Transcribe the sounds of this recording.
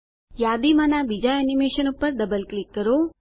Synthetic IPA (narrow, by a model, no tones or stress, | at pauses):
jad̪imãnabid͡ʒaenimeʃənupːəɾd̪əbəlklikːəɾo